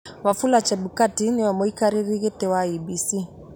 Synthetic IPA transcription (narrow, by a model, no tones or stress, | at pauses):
wafulat͡ʃɛɓukatiniwamɔikaɾiɾiɣɛtɛwaibisi